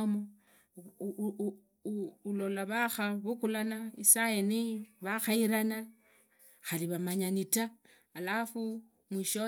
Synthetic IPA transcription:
mo | ulo̞laβaxaβukulanaisaeniβaxaiɾana | xaliβamaɲanitaː | lafu | mwiʃo

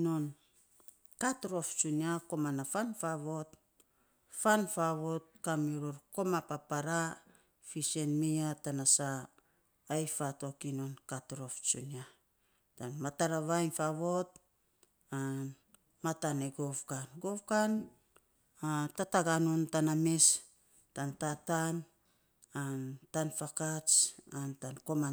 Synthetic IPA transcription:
non | katɾo̞ft͡ʃuniako̞manafanfaβo̞t | fanfaβo̞t̚kamiɾoɾko̞mapapaɾa | fise̞nmiatanasaː | jfato̞kino̞nkatɾo̞ft͡ʃunia | tanmataɾaβajnfaβo̞t̚ | an | mataneɡovkanɡovkan | atataɡanuntanames | tantatan | antanfakat͡ʃantanko̞ma

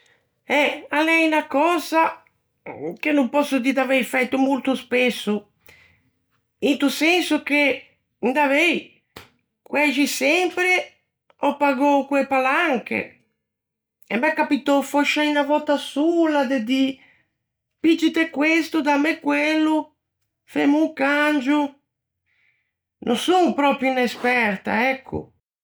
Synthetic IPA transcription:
ɛalɛjnakɔːza | k̟enːumpɔsːʊd̪id̪avɛjfɛt̪ːʊmult̪uspesːu | int̪usɛnsuk̟e | nd̪avɛj | kwɛʒisɛmpɾe | ɔpːaɡɔkwepalaŋkḛ | ɛmːɛkːapit̪ofɔʃainavɔt̪asulad̪ed̪i | pid͡ʒit̪ekwest̪ud̪amɛkːwelːu | femuŋkand͡ʒu | nʔosuŋpɾɔpɾjuinespɛɾt̪a̰ɛkʰːʊ̰

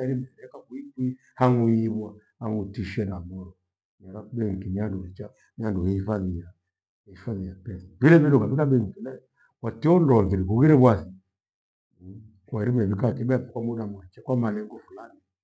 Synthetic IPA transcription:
aɛɾimɛɾɛkakuiki | haŋujiβwahaŋɡutiʃɛnamɔɾɔ | naɾaɓɛŋ̩kinianduhɛt͡ʃa | mianduhɛhifaðija | ifaðijapɛsḁvilɛβidɔɡaβilabɛŋ̩kinɛ | watiɔndɔnviɾikuɣiɾɛβwasi | kwaɾimɛβikakɛɓaapukwamunamwat͡ʃɛkwamalɛŋɡɔfulani

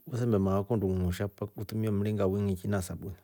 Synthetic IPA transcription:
usɛmbɛmaakɔnduŋuʃapautumiɔm̩ɾiŋɡawiŋit͡ʃinasaɓuna

